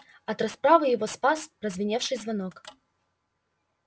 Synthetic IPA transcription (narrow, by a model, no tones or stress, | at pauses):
ɐt̪ɾɐspɾavɨjɪvospaspɾəzvʲɪnʲefʂɨjzvɐnok